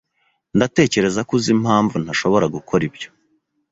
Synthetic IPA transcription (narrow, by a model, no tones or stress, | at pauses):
ndate̞ːce̞ɾe̞zakuzim̥haːɱvun̥haʃo̞βo̞ɾaɡukʰo̞ɾibjo̞